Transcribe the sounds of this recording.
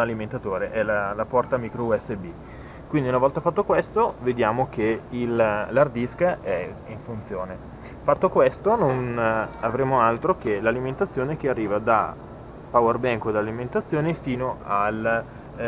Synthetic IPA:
aliment̪at̪oːɾeʔɛlalapɔrt̪amikɾouɛsːebi | kwind̪iunavɔlt̪afat̪ːokwest̪oved̪jaːmok̟eillard̪iskaʔɛiɱfunt̪sjoːne | fat̪ːokwest̪ononavɾeːmoalt̪ɾok̟elaliment̪at̪sːjoːnek̟earːiːvad̪a | pawerbɛŋkod̪aliment̪at̪sːjoːnefiːnoal

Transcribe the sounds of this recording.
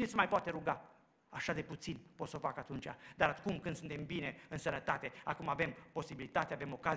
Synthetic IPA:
inesemajpoat̪eɾuɡa | aʃad̪e̞put̪sinpo̞t̪səo̞fakat̪unt͡ʃa̰d̪aɾakumkɨnd̪sɨnt̪e̞mbine̞ɨnsənət̪at̪e̞a̰kumavempo̞sibilit̪at̪eave̞mo̞kaz

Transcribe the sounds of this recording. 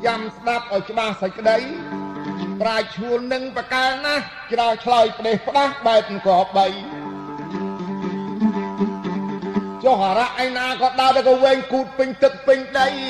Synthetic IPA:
t͡ɕamsɗap̚ʔaɔjt͡ɕə̆ɓahsəc̚kːəɗəj | praɛk̚t͡ɕʰuənːɨŋprakaɛnah | t͡ɕraɔt͡ɕʰlajpə̆t̪eːhpə̆ɗahɓaɛp̚nɨŋkɔɓəj | t͡ɕohːaɾaʔajnaːkɔːɗaət̪akɔʋeːɲkuːt̪̚pɨɲt̪ɨk̚pɨɲɗəj

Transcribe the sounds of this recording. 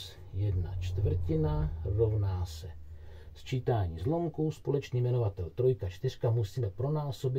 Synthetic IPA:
jɛdna̰t͡ʃt̪vr̩cɪnaro̞vnaːsɛ | st͡ʃiːt̪aːɲiːzlo̞mkuspo̞lɛt͡ʃniːmɛno̞vat̪ɛlt̪ɾo̞jkat͡ʃt̪ɪr̝̥kamusiːmɛpɾo̞naːso̞bɪ

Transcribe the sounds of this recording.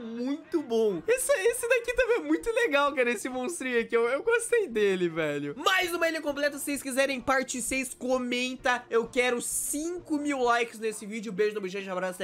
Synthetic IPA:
mũj̃t̪ʊbõesɛesɪd̪akit̪ɐ̃mbẽj̃ɛmũj̃t̪ʊleɡawkɛɾɐesɪmõst̪ɾiɐkɪewewɡost̪ejd̪elɪvɛʎʊmajznũmɐilʲiɐkõplɛt̪ɐssejskizɛɾẽj̃paɾt͡ʃisejskomẽnt̪ɐewkɛɾʊsĩŋkʊmiwlajkɪznesɪvid͡ʒɪʊbeʒʊnɐbiʒẽd͡ʒabɾasʊɛ

